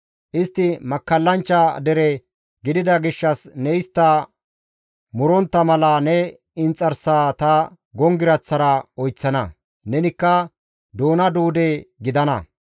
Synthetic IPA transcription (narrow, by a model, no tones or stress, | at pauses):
ʔɪst̪ːɪmɐkːɐlːɐnt͡ʃːɐd̪ɛɾɛ | ɡɪd̪ɪd̪ɐɡɪʃːɐsnɛjst̪ːɐ | mʊɾɔnt̪ːɐmɐlɐnɛ | ɪnt͡sʼːɐɾsaːt̪ɐ | ɡɔŋɡɪɾɐt͡sːɐɾɐɔjt͡sːɐnɐ̰ | nɛnɪkːɐ | d̪oːnɐd̪uːd̪ɛɡɪd̪ɐnɐ̰